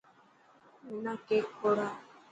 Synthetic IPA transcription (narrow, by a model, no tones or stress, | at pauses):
menakekʰoɾa